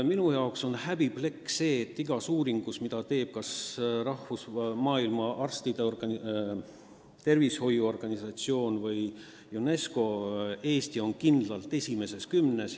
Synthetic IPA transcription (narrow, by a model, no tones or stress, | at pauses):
minujɑokso̞nhæbib̥le̞kːse̞ːt̪ːiɡ̥ɑsuːɾiŋɡ̥usmid̪ɑt̪e̞ːb̥̚kɑsrɑhvusmɑːilmɑʔɑrst̪id̪eorɡ̥ɑ | t̪e̞rvisho̞juo̞rɡ̥ɑnisɑt̪sio̞ːnvɯj | june̞sko̞e̞ːst̪io̞nkind̪̥lɑlt̪e̞sʲime̞se̞skymne̞s